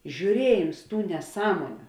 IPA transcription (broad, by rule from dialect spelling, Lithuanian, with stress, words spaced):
ʒʲuːˈrʲiɛjɪms ˈtuː nʲɛˈsɑːmoːnʲʊ